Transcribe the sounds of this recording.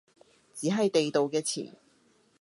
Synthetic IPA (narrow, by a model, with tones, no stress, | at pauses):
t͡siː˨˥ɦɐ˨jt̪e˨jt̪o˨wkɛː˧t͡sʰḭː˨˩n